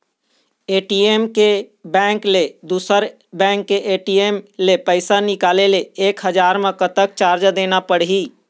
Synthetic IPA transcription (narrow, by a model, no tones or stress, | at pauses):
eːʈiemkebɛ̃ŋkled̪usəɾ | bɛ̃ːŋkːeʔeʈiemlepəɪsanikaːleleeːkɦəd͡ʒaɾmekət̪ək̚t͡ʃaːɾd͡ʒd̪enapəɽɦi